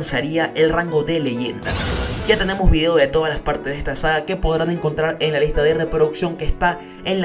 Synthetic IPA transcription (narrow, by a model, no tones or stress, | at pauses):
nsjaɾiaʔe̞lraŋɡo̞ðe̞le̞ʝe̞̰nd̪a̰ʝat̪e̞ne̞mo̞zβið̞e̞o̞ðet̪oð̞alaspaɾt̪ezðest̪asaɣake̞po̞ðɾane̞ŋko̞nt̪ɾaɾe̞ŋlalist̪aðe̞re̞pɾoðuksjo̞ŋkeːst̪a | enl